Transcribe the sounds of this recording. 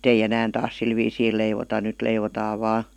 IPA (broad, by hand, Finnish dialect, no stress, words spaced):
ei enæːn tɑːs sil ʋiːsiː leiʋotɑ nyt leiʋotɑː ʋɑː